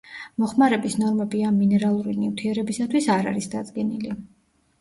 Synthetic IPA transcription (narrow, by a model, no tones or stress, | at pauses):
mɔχmaɾɛbisnɔɾmɛbiamːinɛɾalˠuɾinift̪ʰiɛɾɛbisat̪ʰwisaɾa̰ɾisd̪ad̪zɡɛnili